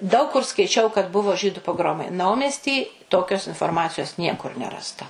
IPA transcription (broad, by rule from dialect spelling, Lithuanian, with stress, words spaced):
dɐʊk kʊr skɐɪˈt͡ʃʲɛʊ kɐt ˈbʊʋoː ˈʒʲiːdʊ poːˈɡroːmɐɪ ˈnɐʊmʲɛsʲtʲiː ˈtoːkʲoːs ɪnfoːrˈmɑːt͡sʲɪjoːs ˈnʲiɛkʊr ˈnʲæːrɐstɐ